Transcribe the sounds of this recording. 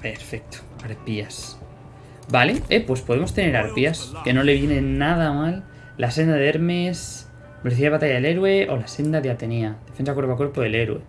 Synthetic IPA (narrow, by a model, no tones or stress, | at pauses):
pe̞ɾfek̚t̪o̥aɾpias | bale̞epwe̞spo̞ð̞e̞mo̞st̪e̞ne̞ɾaɾpiaske̞no̞le̞βje̞nenað̞amalː | ase̞nd̪aðeɾmes | poliθiaðβat̪aʝaðele̞ɾwe̞ʔo̞̰lase̞nd̪aðeat̪e̞nead̪efe̞nsakwe̞ɾβakwepoðe̞le̞ɾwe̞̰